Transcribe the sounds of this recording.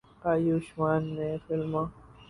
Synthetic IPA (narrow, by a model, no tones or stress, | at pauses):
ajuʃmaːnːẽfɪlmãː